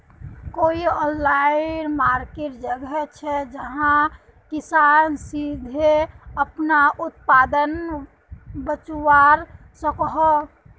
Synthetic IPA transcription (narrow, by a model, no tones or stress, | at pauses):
koiɔ̃nlaɪnmaɾkeʈd͡ʒəɡɛt͡ʃʰɛd͡ʒəɦã | kɪsaːnsid̪ʱeəpnaʔʊt̪̚pad̪ən | bət͡ʃuwaɾ | səkɦɔ